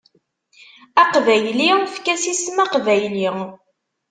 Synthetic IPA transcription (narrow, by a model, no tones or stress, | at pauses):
æqvæjlifkæsismæqvæjli